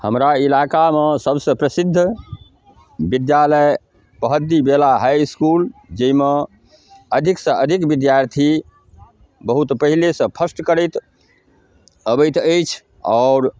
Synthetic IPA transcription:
həmɾailakamesəbsə̃pɾəsid̪ʱː | bid̪jaləj | pəɦəd̪ibelaɦajskuld͡ʒeime | əd̪ʱiksə̃ʔəd̪ʱikbid̪jaɾt̪ʰi | bəɦut̪pəɦilesə̃pʰəsʈkəɾəjt̪ | əbəjt̪əjt͡ʃʰ | aʊɾ

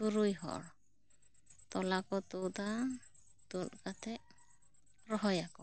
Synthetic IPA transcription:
uɾujɦɔ̰ʔɽ | t̪ɔlakɔt̪ud̪a | t̪ulkat̪ʰɛʔ | ɾɔɦɔjakɔ

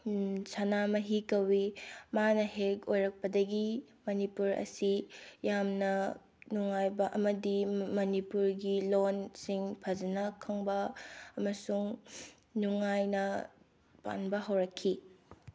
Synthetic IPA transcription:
sanamɐɦikɐwimanɐɦekojɾɐk̚pɐdɐɡi | mɐnipuɾɐ̰sijamnɐ | nuŋajbɐʔɐmɐdimɐnipuɾɡilonsiŋpʰɐd͡ʒɐnɐkʰɐŋbɐːmɐsuŋ | nuŋajnɐ | pa̰nbɐɦawɾɐkʰːi

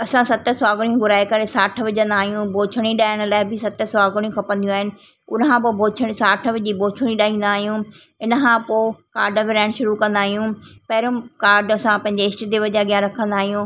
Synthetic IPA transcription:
ɐsãsɐt̪sɔaːɡəɽ̃jũɡʊɾaːekɐɾesaːʈʰəʋɪd͡ʑə̃nd̪aːɦijũbʱoːt͡ʃʰəɽ̃iɗaːɪɽ̃əlaːɪbɪsɐt̪əsɔaːɡɽ̃ijũkʰɐpə̃nd̪ijũaːɦɪnɪ̆ | ʊnkãːpobʱoːt͡ʃʰəɽ̃isaːʈʰə̆ʋɪd͡ʑiboːt͡ʃʰəɽ̃iɗaːĩːnd̪aːɦijũ | ɪnkʰãpoːkaːɾɖəbɪɾaːɪɳʃʊɾukɐ̃nd̪aːɦijũpɛɦɪɾʊmkaːɾɖɐsãpɐ̃ɦɪ̃ɲ̆d͡ʑeɪsʈd̪eʋɐd͡ʑaɡjaɾɐkʰə̃nd̪aːɦijũ

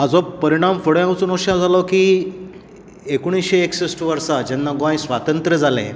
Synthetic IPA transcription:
ad͡zɔpəɾiɽ̃amfoɽjãɡut͡suːnoɕad͡zʱalɔkiː | ekoɽ̃isɕeeksisʈʋəɾsad͡ʑɛnːaɡãjsʋat̪ənt̪ɾəd͡zʱalḛ̃

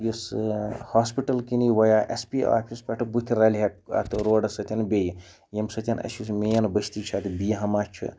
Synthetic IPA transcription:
jishaːspiʈɐlkiniʋɐjaːʔḛspia̰ːpʰispʲeʈɨbut̪ʰiɾɐlɦɐk̚ɐ̰t̪ɨɾoːɖɐsɐt̪ʲɐnbeji | jemsɐt̪ʲɐnɐ̰sus̬mejɐnbɐʃt̪it͡ʃʰat̪bijɦɐmat͡ʃʰɨ̰

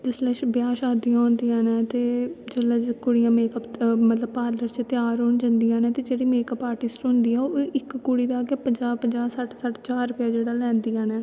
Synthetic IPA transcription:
d͡ʒɪslɛːʃbjaːʃaːd̪ijãːɦʊnd̪ijãːnɛːt̪eːd͡ʒəlɛːd͡ʒkʊɽijãːmeːkəpmət̪ləbpaːɾləɾt͡ʃət̪ɪjaːɾɦoːɳd͡ʒənd̪ijãːnɛːt̪eːd͡ʒeːɽiːmeːkəpaːɾʈɪsʈɦʊ̃nd̪iːɛːoʔɪkːʊɽiːd̪aːɡepəd͡ʒaːpəd͡ʒaːsəʈʰsəʈʰt͡ʃaːɾɾːʊpjaːd͡ʒeːɽaːlɛ̃ːnd̪ijãːnɛː

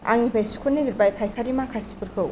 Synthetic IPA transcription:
a̰ŋnibʰajsu̥kʰuniɡɯɾbajpʰajkʰaɾimakʰasi̥puɾkʰɯw

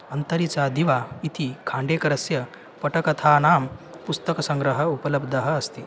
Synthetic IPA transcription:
ənt̪əɾit͡sad̪iʋait̪ikʰãɳɖekɐɾəsjə | pəʈəkɐt̪ʰanaːm | pust̪əksə̃ŋɡɾəɦəupələbd̪əɦəːst̪iː

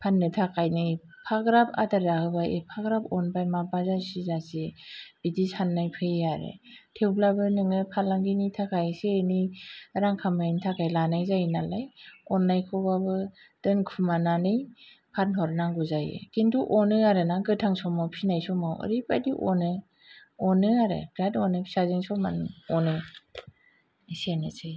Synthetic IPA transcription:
pʰanːɯtʰakajnɯj | pʰaɡɾapʰa̰daɾahɯbajḛpʰaɡɾapɔnbajmabazasizaseb̥idisanːajpʰɯjaɾɯ̰tʰewblabɯnɯŋɯpʰalaŋɡinitʰakajseniɾaŋkʰamantʰakajlanajzajnalajɔnːajkʰɯbabɯ | d̥ɯnkʰumananɯj | pʰatnɦɔɾnaŋɡuzajḛkintuʔɔnɯaɾɯnaɡɯtʰaŋsɔmawpʰinajsɔmawɯ̰ɾipa̰jdiʔɔ̰nɯ | ɔnɯaɾɯ̰bʰɾatɔnɯpʰi̥sazɯŋsɔma̰nɔnɯ | isenɯsej

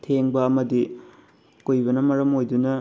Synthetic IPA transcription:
tʰeŋbɐːmɐdi | kojbɐnɐmɐɾɐmojdunɐ

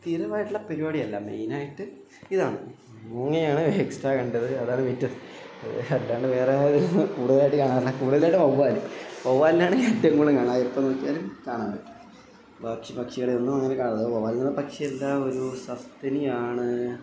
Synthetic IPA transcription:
t̪iːɾɐʋaːjiʈːuɭːɐpeɾubaːɽijɐlːɐmḛjnaːjiʈːɨ | iðaːɳɨ̰ | muːŋːɐjaːɳɨeːksʈaːkɐɳɖɐðɨɐðaːɳɨʋetːɐðɨ | ɐ̰ɐd̪ːaːɳɖɨʋe̞ːreðnkuːɽuðɐlaːjiʈːɨkaːɳaːilːɐkuːɽuðɐlajʈːɨmoʋːaːlumoʋːaːlinaːɳɨɐdeŋɡoɭːɨkaːɳaːjepːonoːkːijaːlumkaːɳaːmpɐʈːu̥ | bɐkʂipɐkʂiɣɐɭeonːumɐŋːɐnekaːɳːɐðoʋaːlininːɐpɐkʂijelːɐo̞ɾusɐst̪ɐnijaːɳɨ

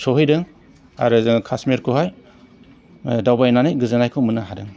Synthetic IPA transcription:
sɔɦɯjdɯŋ | a̰ɾɯkʰasmiɾkʰuɦaj | dawbajnanɯjɡɯzanajkʰɔmɯnaɦadɯŋ

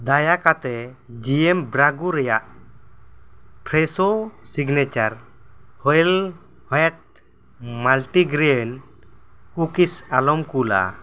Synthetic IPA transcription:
d̪ajakat̪ɛ | d͡ʒiɛmbɾaɡuɾɛjaʔ | pʰɾɛsosiɡnɛt͡ʃaɾhɔɛl | hɔjaʈ̚ | malʈiɡɾɛn | kukisalɔmkula̰

